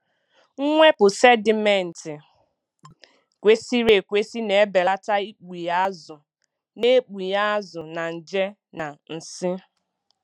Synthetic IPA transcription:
ŋ̩˦ŋʷe˦pʊ˨se˦dɪ˨me˨n̩˨tɪ˨ | kʷe˦si˦ɾe˨kʷe˦si˦ne˨e˦be˨la˦ta˦i˦k͡pi˨ja˦zʊ˨ | ne˦k͡pi˨ja˦a˦zʊ˨na˨n̩˨d͡ʒe˦ | na˨n̩˨sɪ˦

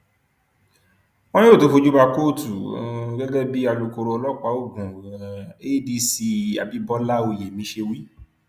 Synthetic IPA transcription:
õ˦ĩ˦o˦˨to˦fo˧d͡ʒu˦ba˧ko˦˨tu˨ɡɛ˦ɡɛ˦bi˦a˧lu˧ko˧ɾo˧ɔ˧lɔ˦k͡pa˨˦o˦˨ɡũ˨ | e˦di˧si˧a̰˨bi˨˦bɔ˦la˦o˧je˨mĩ˨˦ʃe˧wi˦

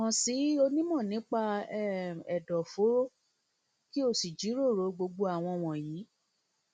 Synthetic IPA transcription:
ɔ̃˨˧si˨˦o˧nĩ˦mɔ̃˦˨nĩ˨˦k͡pa˧ɛ˦ɛ˨dɔ˨fo˨˦ɾo˦ | ki˦o˦˨si˨d͡ʒi˨˦ɾo˦˨ɾo˨˦ɡ͡bo˧ɡ͡bo˧a˨w̃ɔ̃˧w̃ɔ̃˨jĩ˨˦

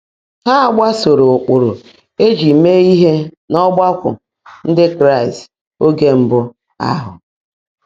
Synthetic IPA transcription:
ha˦˨ɡ͡ba˦so˨ɾo˨k͡pʊ˨ɾʊ˨ | e˦d͡ʒi˨me˦i˦ɦe˦ | nɔ˦ɡ͡ba˦kʷʊ̰˨ | n̩˦dɪ˦kɾa˦˨ɪ˨st | o˦ɡe˦m̩˦bʊ˦ | a̰˦ɦʊ̰˨

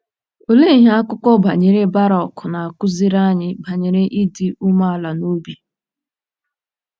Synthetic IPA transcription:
o˨le˦i˨ɦa˦a˦kʊ˦kɔ˦ba˨ɲe˨ɾe˦ba˦ɾɔ˨kʊ˨na˨a˨kʊ˦zi˦ɾa˦ɲɪ˦ba˨ɲe˨ɾe˦ʔi˦di˦u˦ma˦a˦˨la˨no˦bi˨

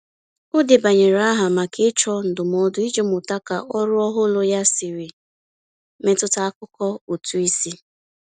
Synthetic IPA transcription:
ʊ˦dɪ˨ba˨ɲe˨ɾa˦ɦa˨ma˨kɪ˦t͡ʃɔ˦n̩˨dʊ˨m˨ɔ˦dʊ˦i˦d͡ʒe˦mʊ˨ta˦ka˨ʔɔ˦ɾʊ˦ɔ˦ɦʊ˦lʊ˦ja˦sɪ˨ɾɪ˨ | me˨tʊ˦ta˦a˦kʊ˦kɔ˦o˨tu˦i˦si˦

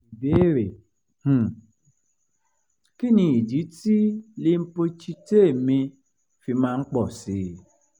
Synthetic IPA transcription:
i˨be˦ɾe˨ | h̩˦˨ | ki˦nĩ˧i˨d͡ʒi˨˦ti˦le˧m̩˦po˧t͡ʃi˧te˦e˦˨mĩ˧ | fi˧mãː˦˧˦k͡pɔ˦˨si˧˦

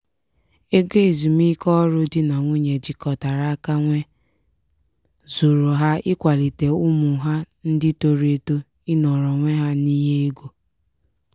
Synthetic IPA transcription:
e˦ɡe˦˨zi˨m˦i˦kɔ˦ɾʊ˦dɪ˦na˨ŋʷu˦ɲe˨d͡ʒi˨kɔ˨ta˨ɾa˨˦a˦ka˦ŋʷe˦ | zu˨ɾo˨ɦa˦ɪ˦kʷa˨li˨te˨u˦mu˨˦ɦa˦ | n̩˦dɪ˦to˨ɾe˨to˦ | ɪ˦nɔ˨ɾɔ˨ŋʷe˦ɦa˦ni˦ɦe˦e˦ɡo˦

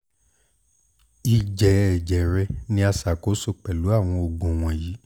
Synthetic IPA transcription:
i˨d͡ʒɛ˨ɛ˨d͡ʒɛ˨ɾɛ˧˦nĩ˧˦a˧sa˨ko˨˦so˦˨k͡pɛ˨lu˨˦a˦˨w̃ɔ̃˧o˨ɡõ˨w̃ɔ̃˨ji˨˦

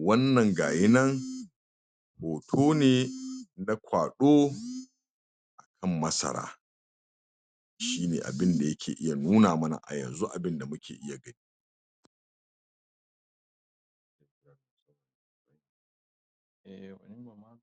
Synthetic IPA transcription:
wɐ˦nːɐ˨ŋɡaː˨jɪ˦nɐ˦ŋ | boː˨tʰoː˦neː˨na˦kʷʰaː˨ɗoː˦ | ʔa˨kʰɐ˦˨mːɐ˦sɐ̰˨ɾa̰ː˦ | ʃiː˦nḛː˨ʔa̰˨bɪ˦nda˨jɐ˦kʲʰḛː˨ʔɪ˦ja˨nuː˦naː˨mɐ˦na̰˨ʔa̰˨jɐ̰˨nzu˦ʔa˨bɪ˦nda˨mʊ˦kʲeː˨ʔɪ˦ja˨ɡɐ˦niː˦˨˦ | ʔɛ˨wɐ˦n˦˨˦

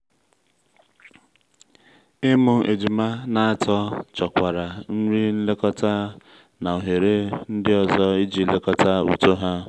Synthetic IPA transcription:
ɪ˦mʊ˦ʔe˨d͡ʒi˨ma˦na˨a˦tɔ˦t͡ʃɔ˨kʷa˨ɾa˨n̩˦ɾi˦n̩˦le˦kɔ˦ta˦ | na˨o˨ɦe˨ɾe˦n̩˦dɪ˦ɔ˨zɔ˦i˦d͡ʒi˨˦le˦kɔ˦ta˦ṵ˨to˦ɦa˦

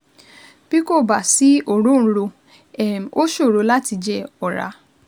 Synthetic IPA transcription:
b̥i˦ko˦˨ba˨si˨˦o˦˨ɾõ˦˨˦ɾo˧ | ɛ˨m˨o˦ʃo˦˨ɾo˨˧la˦ti˧d͡ʒɛ˦ɔ˨ɾa̰˨˧˦

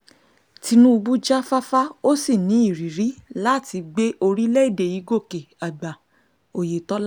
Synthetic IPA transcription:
ti˧nũ˦u˧bu˦d͡ʒa˦fa˦fa˦o˦si˦˨nĩ˨˦i˦˨ɾi˨ɾi˨˦la˦˨ti˧ɡ͡be˦ʔo˧ɾi˦lɛ˦i˦˨de˨ji˨˦ɡo˦˨ke˨a˨ɡ͡ba˨ | o˨je˨tɔ˦l

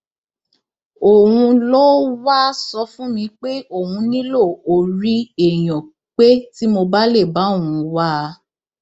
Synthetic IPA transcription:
o˨wũ˧lo˦wa˦sɔ˧fũ˦mĩ˧k͡pe˦o˦˨wũ˧nĩ˦lo˦˨o˨ɾi˦e˨j̃ɔ̃˨ | k͡pe˦ti˦mo˧ba˦le˦˨ba˨˦õ˦˨ũ˧wa˦˧

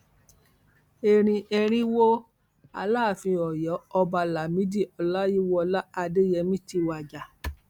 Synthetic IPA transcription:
e˧ɾ̃ĩ˧ʔɛ˧ɾ̃ĩ˦wo˦ | a̰˧la˦˨fĩ˧ɔ˨jɔ˨˦ɔ˧ba˧la˨mĩ˨˦di˦˨ɔ˧la˦ji˦wɔ˦˧la˦a˧de˦jɛ˧mĩ˦ti˧wa˨d͡ʒa˨

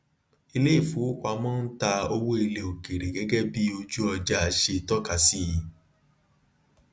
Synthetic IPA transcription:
i˧le˦i˦˨fu˨˦kʷa˧mɔ̃ː˦n̩˦ta˧o˧wo˦i˧le˨o˨ke˨ɾe˨ɡɛ˨˦ɡɛ˦bi˦o˧d͡ʒu˦ɔ˧d͡ʒa˦a˧ʃe˧˨tɔ˦ka˧˦si˦˨

